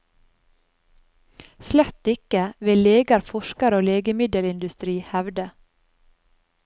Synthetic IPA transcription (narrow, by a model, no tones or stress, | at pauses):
slɛt̪ɪkəʋeːleːɡɑɾfɔʃkɑɾoːleːɡəmɪd̪əlɪnd̪ʉst̪ɾiːhæʋd̪ə